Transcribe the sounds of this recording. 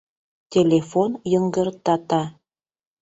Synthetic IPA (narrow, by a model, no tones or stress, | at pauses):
tʲelefonjəŋɡərt̪ɑt̪ɑ